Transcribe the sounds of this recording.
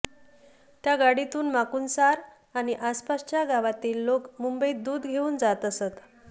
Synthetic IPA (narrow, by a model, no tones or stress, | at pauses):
t̪jaɡaɽit̪uːnmakuːnsaɾ | añiʔaspast͡ɕjaɡaʋat̪iːlːokmumbəiːd̪uːd̪ɡʱeuːnd͡zat̪əsət̪